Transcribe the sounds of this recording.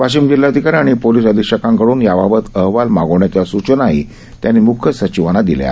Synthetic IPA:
ʋaɕimd͡ʑilːad̪ʱikaɾaɽ̃ipoliːsəd̪ʱikʂəkãŋkəɽuːnjababət̪əɦʋalmaɡoʋɳjat͡ɕjasut͡ɕənaɦi | t̪janimukʰjəsət͡ɕiʋañad̪ilja̰

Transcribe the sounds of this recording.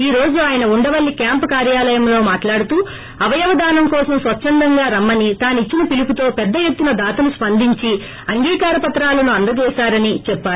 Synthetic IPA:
iːɾo̞ːd͡ʒuaːjɐnɐuɳɖɐʋɐlːikjaːmpkaːɾjaːlɐjɐmlo̞ːmaːʈlaːɽut̪uː | ɐʋɐjɐʋɐd̪aːnɐmkɔːsɐmsʋɐt͡ʃːʃɐnd̪ɐŋɡaːɾɐmːɐnit̪aːnit͡ʃːinɐpilukut̪o̞ːpɛd̪ːɐje̞t̪ːunɐd̪aːt̪ɐnuspɐnd̪ʱiɲt͡ʃi | ɐŋɡiːkaːɾɐpɐt̪ɾaːlɐnuɐnd̪ɐd͡ʒɛːsaːɾɐnit͡ʃɛpːaːu

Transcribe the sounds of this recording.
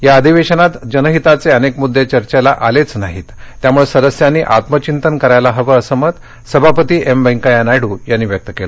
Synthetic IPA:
jaəd̪ʱiʋeɕənat̪d͡ʑənəɦit̪at͡seənekmud̪ʱːet͡ɕəɾt͡ɕelaʔalet͡snaɦit̪ːjamuɭesəd̪əsjanːiːʔat̪mət͡ɕint̪ənkəɾajlaɦəʋəəsəmət̪ | səbʱapət̪iːʔembə̃ŋkajanajɽuːjanːiːʋjək̚t̪əkelə

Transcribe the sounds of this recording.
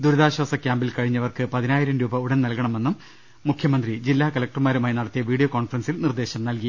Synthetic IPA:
d̪uɾɐðaːɕwaːsɐkʲjaːmbilkɐɻiɲːɐʋɐrkɨpɐðinaːjiɾɐmɾuːbɐuɽɐnnɐlkɐɳɐmenːumː | ukʰjɐmɐnd̪rid͡ʑilːaːkɐlɐk̚ʈrɨmaːɾumaːjnɐɽɐt̪ːijɐʋiːɽijoːkoːɳfɐrɐnsilnird̪e̞ːɕɐmnɐlki

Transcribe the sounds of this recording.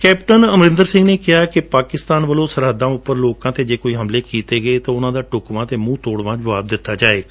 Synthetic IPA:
kɛːpʈənəmɾɪ̃nd̪əɾsɪ̃ŋɡneːkɪɦaːkɪpaːkɪst̪aːnʋəlõːsəɾɦəd̪ːãːʊpːəɾloːkãːt̪eːd͡ʒeːkoːiːɦəmleːkiːt̪eːɡəeːt̪ãːʊnãːd̪aːʈʊkʋãːt̪eːmũːt̪oːɽʋãːd͡ʒəʋaːb̚d̪ɪt̪ːaːd͡ʒaːeːɡaː

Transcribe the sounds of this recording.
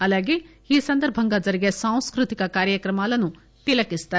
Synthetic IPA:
ɐlaɡehisɐnd̪əɾbʱɐŋɡad͡zɐɾɡasãw̃skɾut̪ikakaːɾjəkɾɐmaːlɐnũ | t̪elɐkist̪a

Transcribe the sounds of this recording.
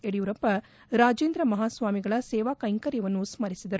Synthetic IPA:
eɽijuɾɐpːɐ | ɾaːd͡ʒeːnd̪ɾɐmɐɦaːsʋaːmiɡɐɭɐsɛːʋaːkɐjŋkɐɾjɐʋɐnːusmɐɾisid̪ɐɾu

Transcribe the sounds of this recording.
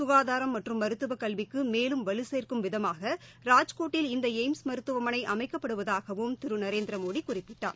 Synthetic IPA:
sʊɣaːðaːɾɐmːɐʈrɯmːɐɾɯt̪ːɯʋɐkɐlʋɪkːɯmeːlɯmʋɐlɯseːrkɯmʋɪðɐmaːɣɐɾaːd͡ʒkoːʈːɪlɪnd̪ɐeɪmsmɐɾɯt̪ːɯʋɐmɐnɐɪʔɐmɐɪkːɐpːɐɽɯʋɐðaːɣɐʋɯmt̪ɪɾɯnɐɾeːnd̪ɾɐmoːɽikːʊrɪpːɪʈːa̰ːɾ

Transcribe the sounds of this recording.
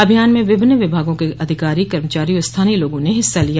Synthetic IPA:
ɐbʱijaːnmẽʋɪbʱɪnːʋɪbʱaːɡõkeʔɐd̪ʱɪkaːɾikɐɾmət͡ʃaːɾiost̪ʰaːniloːɡõneɦɪsːalij

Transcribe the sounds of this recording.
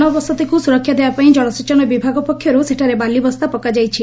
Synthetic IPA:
nɔbɔsɔt̪ʰekusuɾɔkʰːjad̪ebapaĩd͡ʒɔɽ̃ɔsit͡ʃɔnɔbibʱaɡɔpɔkʰjɔɾuseʈʰaɾebalibɔst̪apɔkad͡ʒajt͡ʃʰi

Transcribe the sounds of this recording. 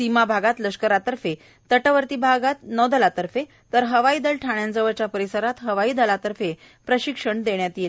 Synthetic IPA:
simabʱaɡat̪ləʂkəɾat̪əɾfe | t̪əʈəʋəɾt̪iːbʱaɡat̪nɔd̪əlat̪əɾfe | t̪əɾɦəʋaiːd̪əlʈʰaɳjand͡zəʋət͡ɕjapəɾisəɾat̪ɦəʋaiːd̪əlat̪əɾfe | pɾəɕikʂəɳd̪eɳjat̪il

